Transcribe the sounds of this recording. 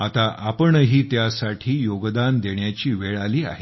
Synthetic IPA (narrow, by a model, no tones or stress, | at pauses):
at̪aʔapəɳɦiːt̪jasaʈʰiːjoɡd̪and̪eɳjat͡ɕiːʋeɭaliːa̰ɦe